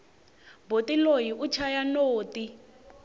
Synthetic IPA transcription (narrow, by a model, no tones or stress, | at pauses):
botilojiʔut͡ʃʰajanoːti